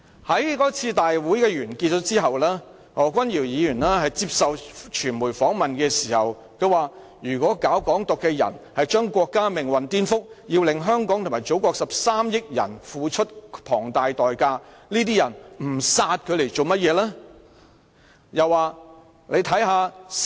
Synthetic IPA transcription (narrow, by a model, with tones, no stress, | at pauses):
hɐ˨˥jkɔː˨˥t͡sʰiː˧t̪aː˨jwuː˨˥jkɛː˧ɥyː˨˩nki˧t̚t͡ʃɔː˨˥t͡siː˥ɦɐ˨wlɛː˥ | ŋɔː˨˥kʷwɐ˥njiː˨˩wjiː˨˧jyː˨˩naː˥hɐ˨jt͡siː˧p̚sɐ˨wt͡ʃʰyː˨˩nmuː˨˩jfɔː˨˥ŋmɐ˨nkɛː˧siː˨˩hɐ̰˨˩w | kʰɵ˨˧ɥwaː˨˩ | jyː˨˩kʷɔː˨˥kaː˨˥wkɔː˨˥ŋt̪ʊ˨kːɛː˧jɐ̰˨˩nhɐ˨jt͡ʃœː˥ŋkʷɔː˧kːaː˥mɪ˨˩ŋwɐ˨nt̪iː˥nfʊ˥k̚jiː˧wlɪ˨ŋɦœː˥ŋkɔː˨˥ŋt̪ʰmaː˨˩jt͡so˨˥wkɔː˧k̚sɐ˨p̚saː˥mjɪ˥k̚jɐ̰˨˩nfuː˨˧t͡ʃʰt̚pʰɔː˨˩ŋt̪aː˨jt̪ɔː˨jkaː˧ | liː˥t̪iː˥jɐ˨˩nm̩˨˩saː˧t̚kʰɵ˧le˨˩jt͡so˨wmɐ˥t̚jɛː˨˧lɛː˥ | jɐ˨wːaː˨˧ | le˨˧jt̪ʰɐ˨˥jɦaː˨˧